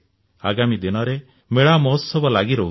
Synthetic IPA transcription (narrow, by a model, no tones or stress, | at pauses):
a̰ɡamid̪inɔɾe | meɭamɔɦɔsɔbɔlaɡiɾoɦu